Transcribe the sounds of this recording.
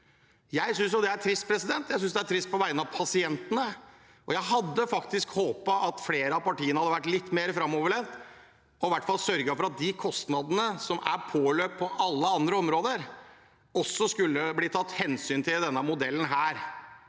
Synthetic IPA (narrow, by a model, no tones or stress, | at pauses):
jæɪsʏnsjʊd̪ɛæɾʈʰɾɪst̪̚pʰɾɛsɪd̪ɛnt̪jæɪsʏnsd̪ɛæʈʰɾɪst̪̚pʰɔʋæɪənɑʋpʰɑsɪɛnt̪ənə | ʔɔjæɪɦɑd̪ːəfɑkt̪ɪskhoːpɑʔɑt̪fleːɾəɑpɑʈiːənəhɑd̪əʋæʈːlɪt̪ːmeːɾəfɾɑmoːʋəɭɛnt̪ | ɔɪʋæʈːfɑlˠsœɾɡəfɔɾɑt̪̚d̪ɪkʰɔst̪nɑd̪ənəsɔmæ̰ɾpʰoːløːp̚pʰɔʔɑlːəɑnd̪ɾəɔmɾoːd̪əɾ | ɔsːɔskʉlːəbliːt̪ʰɑt̪ːhɛnsyːnt̪ʰɪld̪ɛnːəmʊd̪ɛlːənɦæːɾ